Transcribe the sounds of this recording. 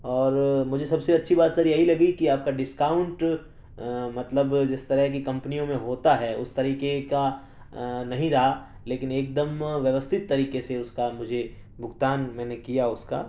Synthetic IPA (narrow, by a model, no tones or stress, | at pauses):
ɔːɾmʊd͡ʒʱesɐbseɐtːʃʰibaːt̪sɐɾjɐɦilɐɡikiaːp̚kaɖɪskaːʊ̃ɳʈ | mɐt̪ləbd͡ʒɪst̪ɐɾəɦk̬ikɐ̃mpnijõmẽɦoːt̪aɦɛːʊ̰st̪ɐɾiːkeka | nɐɦĩɾɐɦa | leːkɪneːk̚d̪əmʋjɐʋəst̪ʰɪt̪ːɐɾiːkeseʊskamʊd͡ʒʱe | bʱʊɡt̪aːnmɛ̃ːnekijaʊska̰